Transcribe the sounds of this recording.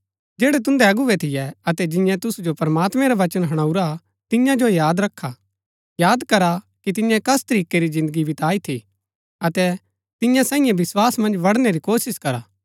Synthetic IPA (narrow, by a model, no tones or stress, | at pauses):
d͡ʒɛːɽɛt̪̬ʊ̃nd̪ɛɐɡuʋɛt̪ʰɪjɛɐt̪ɛd͡ʒɪ̃jãt̪ʊsud͡ʒopɐɾɐmaːt̪mɛ̃ɾaʋɐt͡ʃənɦɐɽ̃ɐuɾa | t̪ɪjãd͡ʒojaːd̪ɾɐkʰːa | jaːd̪kɐɾa | kit̪̬ɪ̃jɛ̃kɐst̪ɐɾiːkeɾizɪ̃nd̪əɡibʱɪt̪aːit̪ʰi | ɐt̪ɛ | t̪ɪ̃jãsaːĩjẽbɪswaːsmɐ̃nd͡ʒʋɐɽneɾikoːsɪskɐɾaː